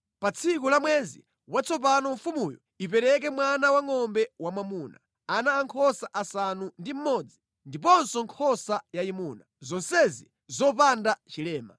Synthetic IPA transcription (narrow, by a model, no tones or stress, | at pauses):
pat͡sʰikulamwɛzḭ | wat͡sʰɔp̬anɔɱfumujɔ̰ | ipɛɾɛk̬ɛmwanawaŋɔmbɛwamamuːna̰ | anaːŋkʰɔsaʔasanundim̩mɔd͡zi | ndip̬ɔnsɔŋkʰɔsajaimuːnazɔnsɛzi | zɔpandat͡ʃilɛːma̰